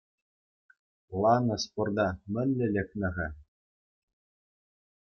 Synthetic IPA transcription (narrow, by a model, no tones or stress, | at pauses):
lˠɑnɤ̆spord̪ɑmʲɘ̆nʲlʲɘ̆lʲɘ̆knʲɘ̆ɣʲɘ